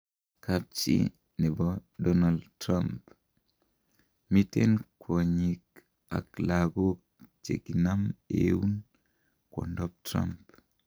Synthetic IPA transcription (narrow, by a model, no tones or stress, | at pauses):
kap̚t͡ʃḭ | nɛbɔdɔnaltɾamp | mitenkʰoɲik | a̰klaɡo | t͡ʃḛɡinamḛwun | kɔ̰ndɔp̚tɾa̰mp